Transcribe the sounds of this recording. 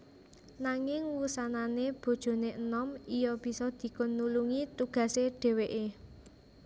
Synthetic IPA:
naŋɪŋwusananeb̥o̤d̥ʒ̥o̤neʔənɔmijɔb̥i̤sɔd̪̥i̤kʊnːuluŋit̪uɡ̥ä̤seɖ̥e̤weʔe

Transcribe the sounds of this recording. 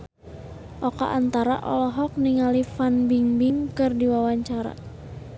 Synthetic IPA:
ʔɔka̰ʔant̪aɾa̰ʔɔ̰lɔɦɔk̚niŋalifanbiŋbiŋkɨrdiwawaɲt͡ʃaɾa̰

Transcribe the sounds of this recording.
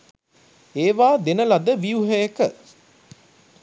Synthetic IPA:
eːʋaːd̪enəlad̪əʋijuɦejekə

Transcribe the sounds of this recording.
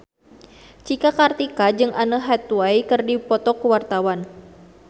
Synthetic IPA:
t͡ʃikakart̪ikad͡ʒɨŋanəɦat̪uaikɨrdipɔt̪ɔkuwart̪awan

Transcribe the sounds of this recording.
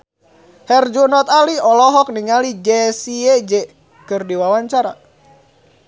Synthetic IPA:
hɛrd͡ʒunɔt̪aliɔlɔɦɔk̚niŋalid͡ʒɛsiɛd͡ʒɛ | kɨrdiwawaɲt͡ʃaɾa̰

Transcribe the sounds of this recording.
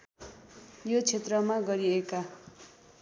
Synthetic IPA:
jot͡sʰet̪rʌmaɡʌɾieka

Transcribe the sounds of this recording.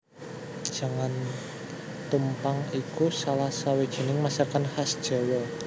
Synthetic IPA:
d̥ʒ̥a̤ŋan | t̪umpaŋikusalahsawid̥ʒ̥i̤nɪŋmasarkanhasd̥ʒ̥a̤wɔ

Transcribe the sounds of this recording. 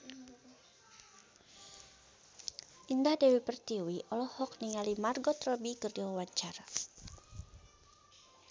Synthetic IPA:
ʔindahdɛwipərt̪iwiʔɔlɔhɔk̚niŋalimarɡɔt̪rɔbikərdɛwawaɲt͡ʃara

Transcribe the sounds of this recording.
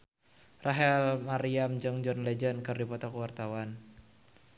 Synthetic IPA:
rʔaɦɛlmaɾiamd͡ʒɨŋd͡ʒɔnlɛd͡ʒənkɨrdipɔt̪ɔkwart̪awan

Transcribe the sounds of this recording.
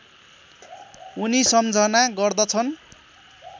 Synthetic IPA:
unisʌmd͡zʱʌnaɡʌrd̪ʌt͡sʰʌn

